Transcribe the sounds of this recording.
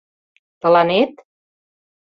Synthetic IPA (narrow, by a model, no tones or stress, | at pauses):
t̪ə̆lɑnet̪